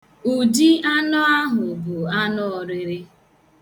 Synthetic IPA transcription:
u˨d͡ʒi˦a˦nɔ˦a˦ɦʊ˨bʊ˨a˦nɔ˦ɔ˨ɾɪ˦ɾɪ˦

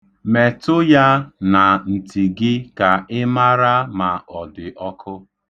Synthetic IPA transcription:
me˨tʊ˦ja˦na˨n̩˨ti˨ɡɪ˦ka˨ɪ˦ma˦ɾa˦ma˨ɔ˨dɪ˨ʔɔ˦kʰʊ˦

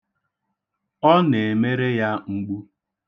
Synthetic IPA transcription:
ɔ˦ne˨me˦ɾe˦ja˦ŋ͡m̩˦ɡ͡bu˦

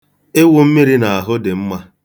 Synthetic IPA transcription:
ɪ˦wʊ˦m̩˦mi˦ɾi˦na˨a˨ɦʊ˦dɪ˨m̩˦ma˦

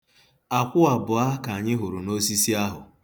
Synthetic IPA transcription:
a˨kʷʊ˦a˨bʊ˨a˦ka˨a˨ɲɪ˦ɦʊ˨ɾu˨no˦si˦si˦a˦ɦʊ̰˨

